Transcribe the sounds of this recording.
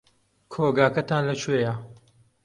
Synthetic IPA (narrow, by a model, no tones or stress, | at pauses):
kʰoːɡaːkɐt̪ʰaːnlɐt͡ʃʰwejɐ